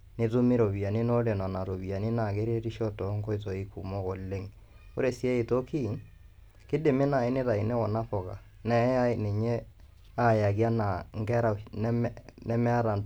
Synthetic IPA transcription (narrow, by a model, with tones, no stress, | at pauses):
nɪ˦tu˦mi˦ɾo˨bi˨a˨ni˦no˦le˨na˨na˨ɾo˨bi˨a˨ni˦na˨ke˦ɾe˦ɾi˦ʃo˦tɔ˨˦ŋko˦i˦to˨i˦ku˨mo˦ko˨le˦ŋ | o̰˦ɾe˨si˦e˦i˨to˦ki˦˨ŋ | kɪ˦dɪ˨mɪ˦na˨ɪ˦nɪ˦ta˨i˨ne˦kɔ˨na˦fɔ˨ka̰˨ | nɛ˨˦a˦ɪ˨nɪ˨ɲe˦ | a˦˨ja˨kja˦na˨ŋ˦kɛ˦ɾa˨˦ | nɛ˦mɛ˦a˦ɾa˨n